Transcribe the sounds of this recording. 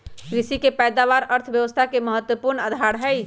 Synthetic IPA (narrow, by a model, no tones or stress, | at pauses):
ɾisikepɛjd̪aʋaɾəɾt̪ʰəbjəʋəst̪ʰakeməɦət̪wəpuɾnəd̪ʱaɽɦəj